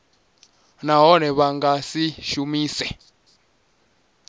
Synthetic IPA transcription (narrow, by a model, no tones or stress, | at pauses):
naɦɔnɛβaŋɡasiʃumiːsɛ